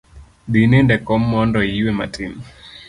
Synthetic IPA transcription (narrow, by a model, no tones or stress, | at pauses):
ɗinindɛkɔmːɔndɔiwɛma̰tim